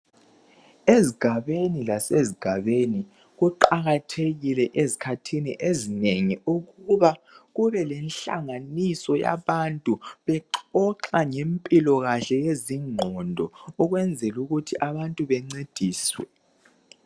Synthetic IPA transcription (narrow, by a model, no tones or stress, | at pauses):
eziɡ̥ʱaβenilaseziɡ̥ʱaβeni | ɣuǃaɣatʰeɣilɛʔezi̥kʰatʰiniʔezineŋiuɣuβaɣuβɛlɛnɬa̰ŋanisɔja̰βantʼuβɛǃɔǃaŋempʼilɔɣaɬɛjeziŋ͡ǃʱɔndʱɔɔɣwɛnd͡zʱɛluɣutʰiʔaβantʼuβɛŋ͡ǀed̥ʱiːswɛ̰